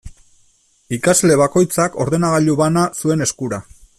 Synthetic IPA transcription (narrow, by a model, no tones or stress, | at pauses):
ikazle̞βako̞jt͡sako̞ɾðe̞naɣ̞aʎuβanasue̞ne̞skuɾa